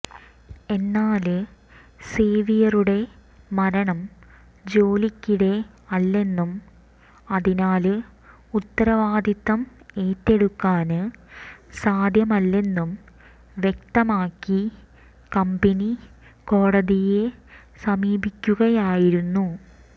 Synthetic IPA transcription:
e̞nːaːlɨ | seːʋijɐruɽe̞ | mɐɾɐɳɐm | d͡ʑo̞ːlikʲːiɽe̞ | ɐlːe̞nːum | ɐðinaːlɨ | ut̪ːɐɾɐʋaːd̪it̪ːɐme̞ːtːe̞ɽukːaːnɨ | saːd̪ʱjɐmɐlːe̞nːum | ʋjek̚t̪ɐmaːkːi | kɐmbeni | ko̞ːɽɐðije | sɐmiːbikʲːuɣɐjaːjiɾunːu

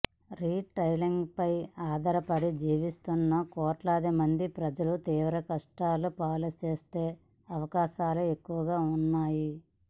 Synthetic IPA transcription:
ɾiːʈɐjliŋɡpɐjaːd̪ɐɾɐpɐɽid͡ʒiːʋist̪unːɐkɔːʈlaːd̪imɐnd̪ipɾɐd͡ʒɐlut̪iːʋɾɐkɐʂʈaːlupaːlɐt͡ʃeːst̪eː | ɐʋɐkaːʃaːlue̞kːuʋɐɡaːunːaːji

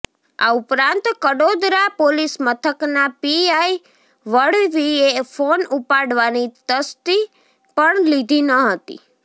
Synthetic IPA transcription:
a̰upɾãnt̪kəɽod̪ɾapolismət̪ʰəknapiai | ʋəɽʋiefonupaɽʋanit̪əst̪i | pəɳlid̪ʱinəɦət̪ḭ

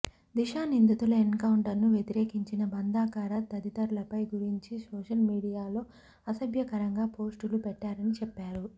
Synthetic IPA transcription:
d̪iʃaːnind̪ut̪ulɐenkɐwuɳʈɐɾnuʋjet̪iɾeːkiɲt͡ʃinɐbɐnd̪aːkaːɾɐt̪ɐd̪it̪ɐɾulɐpɐjɡuɾiɲt͡ʃisoːʂɐlmiːɽijaːlo̞ː | ɐsɐbʱjɐkɐɾɐŋɡaːpo̞ːsʈulupɛʈːaːɾɐnit͡ʃɛpːaːɾu

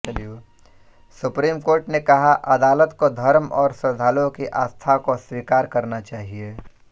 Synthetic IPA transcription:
ɐlju | sʊpɾiːmkoːɾʈnekɐɦaʔɐd̪aːlət̪kod̪ʱɐɾmɔːɾsɐd̪ʱaːlõkiʔaːst̪ʰakoswiːkaːɾkɐɾnat͡ʃaːɦieː

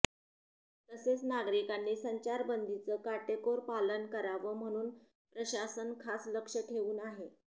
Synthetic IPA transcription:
t̪əset͡snaɡɾikanːiːsəɲt͡ɕaɾbənd̪it͡səːkaʈekoɾpalənkəɾaʋəm̤əɽ̃uːn | pɾəɕasənkʰasləkʂəʈʰeʋuːnaɦe

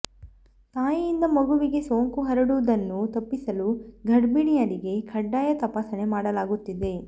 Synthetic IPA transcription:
t̪aːjijind̪ɐmɐɡuʋiɡe̞so̞ːŋkuɦɐɾɐɽuʋud̪ɐnːut̪ɐpːisɐluɡʱɐɖbiɽijɐɾiɡe̞kʰɐɖːaːjɐt̪ɐpaːsɐne̞maːɽɐlaːɡut̪ːid̪e̞

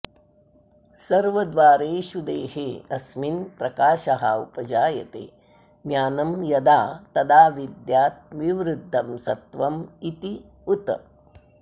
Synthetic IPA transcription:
sɐɾʋɐd̪ʋaːɾeːʃud̪ḛːheːɐsminpɾɐkaːʃɐɦaupɐd͡ʒaːjɐ̰t̪ḛː | ɡjaːnɐmjɐd̪aːt̪ɐd̪aːʋid̪jaːt̪̚ʋiʋɾud̪ʱːɐmsɐt̪ʋɐmit̪i | ut̪

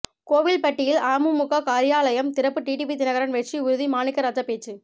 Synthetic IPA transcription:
koːʋɪlpɐʈːɪjɪlaːmɯmʊkakaːɾɪjaːlɐjɐmt̪ɪɾɐpːɯʈiːʈiːp̬it̪ɪnɐɣɐɾɐnʋɛt͡ʃːiʊɾʊðimaːnɪkːɐɾɐt̪ːɐpeːt͡ʃːɯ

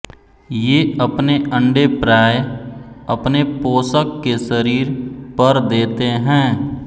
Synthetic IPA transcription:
jeːɐpneə̃ɳɖepɾaːj | ɐpnepoːsəkːeʃəɾiːɾpɐɾd̪eːt̪eɦɛ̃ː

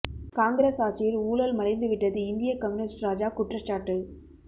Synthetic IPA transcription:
kaːŋɡɾesaːt͡ʃɪjɪluːlɐlmɐɾɐɪnd̪ɯʋɪʈːɐðɯɪnd̪ɪjɐkɐmnɪsʈɾaːd͡ʒaːkʊʈrɐt͡ʃːaːʈːɯ

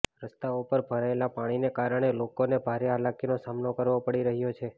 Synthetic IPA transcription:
ɾəst̪aupəɾbʱəɾaelapaɽ̃inekaɾəɽ̃elokonebʱaɾeɦalakinosamnokəɾʋopəɽiɾəɦjot͡ʃʰe

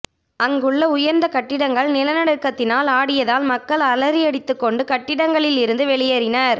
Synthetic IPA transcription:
ɐŋɡɯɭːɐʊjɐɾnd̪ɐkɐʈːɪɽɐŋɡɐɭnɪlɐnɐɽɯkːɐt̪ːɪnaːlaːɽɪjɐðaːlmɐkːɐɭɐlɐɾɪɐɽɪt̪ːɯkːɔɳɖɯkɐʈːɪɽɐŋɡɐɭɪlɪɾɯnd̪ɯʋɛɭɪjɐɾɪnɐɾ

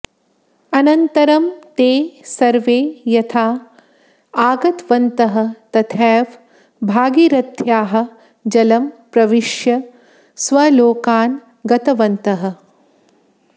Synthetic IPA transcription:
ɐnɐnt̪ɐɾɐmt̪eːsɐɾʋeːjɐt̪ʰaː | aːɡɐt̪ʋɐnt̪ɐɦɐ̆t̪ɐt̪ʰɛːʋ | bʱaːɡiɾɐt̪ʰjaːɦɐ̆ | d͡ʒɐlɐmpɾɐʋiʂjɐ | sʋɐloːkaːn | ɡɐt̪ɐʋɐnt̪ɐɦɐ̆

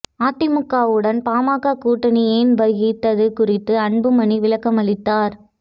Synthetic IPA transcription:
aːt̪ːɪmʊkːaːʋɯɽɐnpaːmaːkaːkuːʈːɐnɪjenʋɐɣɪt̪ːɐðɯkʊrɪt̪ːɯɐɳbɯmɐɳiʋɪlɐkːɐmɐɭɪt̪ːaːɾ

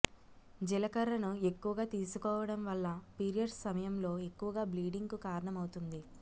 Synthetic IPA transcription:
d͡ʒilɐkɐɾɐnue̞kːuʋɐɡaːt̪iːsukɔːʋɐɽɐmʋɐlːɐpiːɾijɐɖsɐmɐjɐmlo̞ːe̞kːuʋɐɡaːbliːɖiŋɡukaːɾɐɳɐmɐwut̪und̪i

